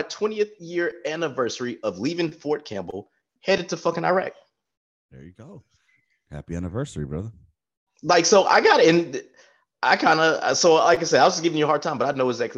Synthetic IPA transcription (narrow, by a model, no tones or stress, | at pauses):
tʰw̥ɛ̃ñiɨθjɪɹænɨvɜ˞sə˞iʔʌvlivɪ̃ŋfɔɹt̚kʰæ̰̃mbl̩ˠ | hɛɾɨd̚tʰɨfʌkɨ̃naɪɹɛ̰k̚t̚ | hə̰˞jɨɡoʊ | hæ̰piænɨvɜ˞sə˞ibɹʌ̰ðə˞ | laɪksoʊʔa̰ɪɡɑɾɨ̃n | ʔaɪkʰãɪ̃ndə̰soʊlaɪkaɪsɛaɪwʌd͡ʒʌsɡ̥ɪvɪ̃ŋjɨəɦɑɹd̚tʰãɪmbʌɾaɪnoʊəɡzæk̚tˡ